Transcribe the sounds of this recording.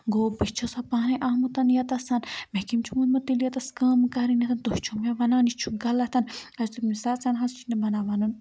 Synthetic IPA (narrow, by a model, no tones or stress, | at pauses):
ɡoːbit͡ʃʰosɐpaːnɐʔaːmut̪ɐnjɐt̪ɐsɐnmekimt͡ʃʰumunmɐt̪iljɐt̪ɐskaːmkaɾinɐt̪ɐnt̪oʃt͡ʃʰumeʋɐnaːnit͡ʃʰuɡɐlɐt̪ɐnɐst̪umisat͡sanɦɐst͡ʃʰinɐbɐnaːʋɐnun